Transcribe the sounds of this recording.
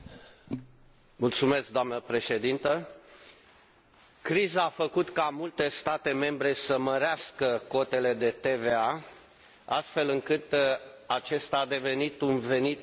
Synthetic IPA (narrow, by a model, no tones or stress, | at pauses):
mult̪sume̞sk̚d̪oamnəpɾe̞ʃe̞d̪int̪ə | kɾizaːfəkut̪kamult̪e̞st̪at̪e̞me̞mbɾe̞səməɾeaskəko̞t̪e̞le̞d̪e̞t̪eve̞a | a̰st̪fe̞lɨŋkɨt̪at͡ʃe̞st̪aːd̪e̞ve̞nit̪unve̞nit̪